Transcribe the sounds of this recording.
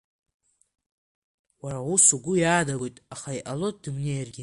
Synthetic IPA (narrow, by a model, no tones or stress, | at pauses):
waɾawusuɡʷʊjaːdaɡʷojtʼaχaiʔalot̚ʼdɨmnejarɡʲɪ